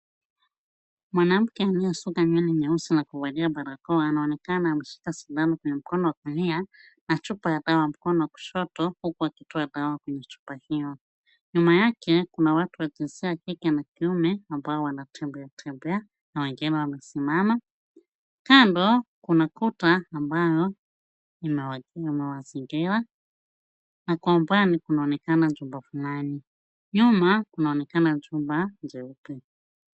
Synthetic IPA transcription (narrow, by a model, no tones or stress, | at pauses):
mwanam̩kɛamiasukaɲɛniɲausinakuvaliabaɾakɔːnaɔnɛkananam̩ʃi̥kasudanakwɛɲɛm̩kɔnɔwakumia | nat͡ʃupajadawam̩kɔnɔwaku̥ʃɔtɔhukuwakitɔadawakwɛɲɛt͡ʃu̥pahijɔ | ɲumajakɛkunawatuwad͡ʒinziakikɛnakiumɛambaɔwanatʰɛmbɛatʰɛmbɛa | nawɛŋɡiɾawamɛsimama | kandɔkunakutaːmbajɔ | imɛimɛwaziŋɡiɾa | nakwaumbwanikunaɔnɛkanad͡ʒumbafulani | ɲumakunaɔnɛkanad͡ʒumband͡ʒɛupi